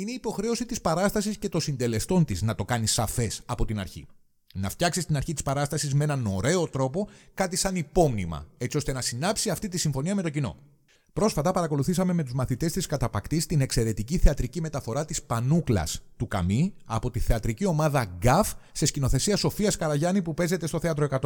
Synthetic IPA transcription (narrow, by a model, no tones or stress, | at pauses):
ine̞ipo̞xɾe̞o̞sit̪ispɐɾɐst̪ɐsisce̞t̪o̞sind̪e̞le̞st̪o̞nt̪iznɐt̪o̞kɐnisɐfe̞sɐpo̞t̪inɐ̰ɾçḭ | nɐft̪çɐksist̪inɐɾçit̪ispɐɾɐst̪ɐsizmee̞nɐno̞ɾe̞o̞t̪ɾo̞po̞kɐt̪isɐnipo̞mnimɐ̰e̞tt͡sio̞st̪e̞nɐsinɐpsiɐft̪it̪isiɱfo̞niɐme̞t̪o̞cino̞̰ | pɾo̞sfɐt̪ɐpɐɾɐko̞luθisɐme̞me̞t̪uzmɐθit̪e̞st̪iskɐt̪ɐpɐkt̪ist̪ine̞kse̞ɾe̞t̪iciθe̞ɐt̪ɾicime̞t̪ɐfo̞ɾɐt̪ispɐnuklɐ̰st̪ukɐ̰miɐ̰po̞t̪iθe̞ɐt̪ɾicio̞mɐðɐɡɐfsescino̞θe̞siɐso̞fiɐskɐɾɐʝɐnipupe̞ze̞t̪est̪o̞θe̞ɐt̪ɾoe̞kɐt̪o